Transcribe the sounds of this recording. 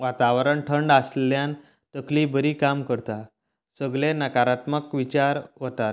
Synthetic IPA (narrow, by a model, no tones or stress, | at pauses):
ʋat̪aʋɾəɳʈʰəɳɖasljãn | t̪əklibəɾiːkamkəɾt̪a | səɡɭenəkaɾat̪məkʋit͡ɕaɾʋot̪a